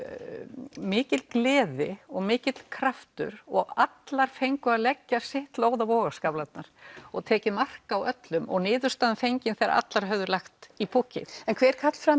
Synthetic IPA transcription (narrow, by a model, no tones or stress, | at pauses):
mɪːcɪt̪lklɛːðɪ̰ɔɣmɪːcɪt̪l̥kʰɾaft̪ʏ̰ɾ̥ɔɣat̪laɾ̥fejŋkʏalɛcːasɪht̪loːwðavɔːɣaskaplat̪naɾ̥ɔɣt̪ʰɛːcɪmar̥kawœt̪lʏmɔ̰ɣnɪːðʏ̥st̪aːðʏfejɲcɪnθɛɾa̰ʔa̰t̪laɾ̥ɦœvðʏɾlaxt̪ipʰucɪ̰ɛnkʰvɛɾɾkʰat̪l̥fɾa